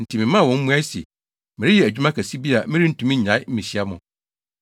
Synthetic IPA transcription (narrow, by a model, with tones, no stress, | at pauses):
n̩˨tʰi˨mɪ̃˨˦mã˦˨wɔ̃˨˦m̩˦mũ˦æ˦sḛ˨ | mɪ̃˨ɾɪ˦jɛ˨æ˨d͡ʑᶣu˦mã˦kʰæ˨si˦bi˦a˨mɪ̃˦ɾi˦n̩˨tʰũ˨mĩ˦ɲã˨˦ɪ˦m̩˦ĩ˨ɕi˦a˦mʊ̃˨